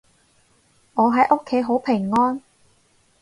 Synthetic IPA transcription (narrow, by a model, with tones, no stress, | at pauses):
ŋɔː˨˧ɦɐ˨˥jʔʊ˥kʰːe˨˥jɦo˨˥wpʰɪ˨˩ŋːɔː˥n